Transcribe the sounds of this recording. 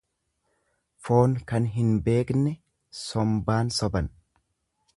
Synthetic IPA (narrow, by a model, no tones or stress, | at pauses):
fo̞ːnkɐnɦɪnbe̞ːknɛ | sɔmbaːnsɔbɐn